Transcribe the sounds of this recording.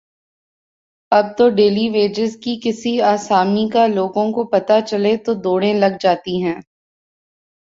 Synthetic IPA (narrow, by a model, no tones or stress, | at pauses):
ɐb̚t̪oɖeːliʋeːd͡ʒɪzkikɪsiaːsaːmikaloːɡõkopɐt̪at͡ʃɐlet̪od̪oːɽẽlɐɡd͡ʒaːt̪iɦɛ̃ː